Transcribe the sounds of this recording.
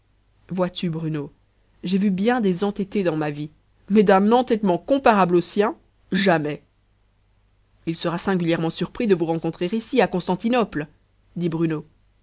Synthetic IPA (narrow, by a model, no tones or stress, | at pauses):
vwat̪ybʁyno | ʒevybjɛ̃d̪ezɑ̃t̪et̪ed̪ɑ̃mavi | mɛd̪ɛ̃nɑ̃t̪ɛt̪mɑ̃kɔ̃paʁablosjɛ̃ | ʒamɛ | ilsəʁasɛ̃ɡʲyljɛʁmɑ̃syʁpχid̪əvuʁɑ̃kɔ̃t̪χeʁisiakɔ̃st̪ɑ̃t̪inɔpl | d̪ibʁyno